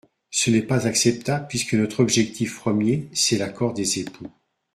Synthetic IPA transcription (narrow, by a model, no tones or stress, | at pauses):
sənɛpazaksɛp̚t̪abləpɥiskənɔt̪χɔbʒɛk̚t̪ʰifpχəmjesɛlakʰɔʁd̪ezepu